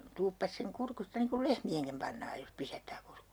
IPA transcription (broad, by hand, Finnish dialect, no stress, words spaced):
tuːpːɑs seŋ kurkustɑ niːŋ kul lehmieŋkim pɑnːɑːj jos pisætːæː kurkː